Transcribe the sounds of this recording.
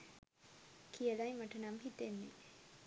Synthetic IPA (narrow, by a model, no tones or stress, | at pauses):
kʰijəlajmaʈənamɦit̪enːe